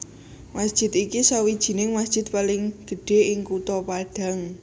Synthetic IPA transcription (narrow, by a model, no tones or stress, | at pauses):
masd̥ʒ̥ɪ̤t̪ikisawid̥ʒ̥i̤nɪŋmasd̥ʒ̥ɪ̤t̪̚palɪŋɡ̥ə̤ɖ̥e̤ʔɪŋkut̪ɔpaɖ̥a̤ŋ